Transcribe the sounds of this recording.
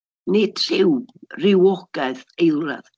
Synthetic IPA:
nɪtʰr̥ɪwrɪwɔɡ̥ɛðejla̰ð

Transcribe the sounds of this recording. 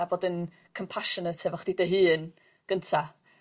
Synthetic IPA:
abodən | kʰɔmpʰaʃɔnətʰɛvɔχd̥idəɦɨːn | ɡ̥əntʰa

